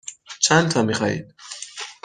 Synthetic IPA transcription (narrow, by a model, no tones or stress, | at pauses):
t͡ʃʰænt̪ʰɒːmixɒːhḭːd̪̥̚